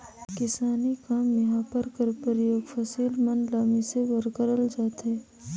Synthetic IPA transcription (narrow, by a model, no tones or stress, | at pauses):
kɪsaːnikaːmːeɦãpəɾkəɾpəɾjoːɡfʰəsiːlmənlaːmisebəɾkəɾəld͡ʒaːt̪ɦeː